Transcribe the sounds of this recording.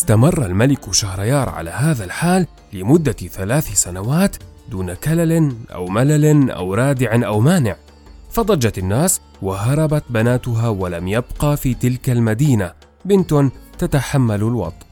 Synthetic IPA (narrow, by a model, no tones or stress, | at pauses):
ɪst̪amɑrˤːalmalɪkʊʃahɾˤɑjɑːɾˤʕa̰la̰ːɦaːðalħaːlː | ɪmʊd̪ːaθalaːθsanawaːt̪d̪uːnakalalnʔa̰wmalalnʔa̰wɾˤɑːd̪ɪʕʔawmaːnɪʕ | fɑd̪ˤɑd͡ʒat̪anːaːs | waɦɑɾˤɑbat̪banaːt̪ʊɦaːwalamjabqɑfiːt̪ɪlkalmad̪iːna | bɪnt̪ʊnt̪at̪aħamːallwɑ̰t̪ˤʔ